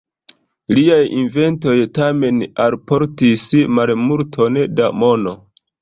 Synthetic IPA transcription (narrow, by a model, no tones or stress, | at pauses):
liajḭnve̞nto̞jtame̞nalpo̞ɾtismalmultʰo̞ndamo̞no